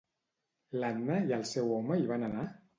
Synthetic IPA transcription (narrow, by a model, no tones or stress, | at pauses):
lannəjəlˠsɛwɔməiβanəna